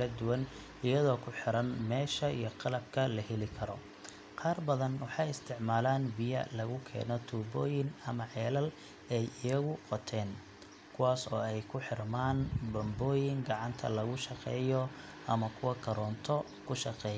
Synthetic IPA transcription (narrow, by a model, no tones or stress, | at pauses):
ɐd̪ʊwɐn | ɪjɐðɔːkʰʊħɪɾɐnmɛːʃɐijɔqɑlɐb̚kʰɐlɐɦɛlɪkʰɐɾɔ | qɑːrbɐðɐnwɑħɑjɪst̪ʰɪʕmaːlaːnbɪjɐ̰lɐɣʊkʰɛ̰ːnɔt̪ʰuːbɔːjɪŋɐmɐʕɛːlɐl | ɛjɪjɐɣʊqɔt̪ʰɛːn | kʰʊwaːsɔ̰ːɛjkʰʊħɪrmaːnbɐmbɔːjɪŋɡɑʕɑnt̪ʰɐ̰lɐɣʊʃɑqɛ̰ːjɔ | ʔɐmɐkʰʊwɐkʰɐɾɔːnt̪ʰɔ | kʰʊʃɑqɛːj